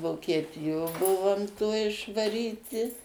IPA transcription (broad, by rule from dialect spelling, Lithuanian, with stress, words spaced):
ʋoːkʲiɛˈtʲɪjoː ˈbʊʋoːm toːj ɪʃʋɐˈrʲiːtʲɪ